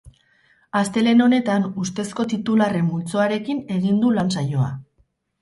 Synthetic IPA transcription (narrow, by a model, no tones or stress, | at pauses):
ast̪e̞le̞no̞ne̞t̪anust̪e̞sko̞t̪it̪ulare̞mbult͡so̞aɾe̞kine̞ɣ̞ind̪ulans̬ajo̞a̰